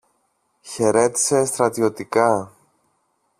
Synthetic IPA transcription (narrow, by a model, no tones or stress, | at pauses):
çe̞ɾe̞t̪i̥se̞st̪ɾɐt̪io̞t̪ikɐ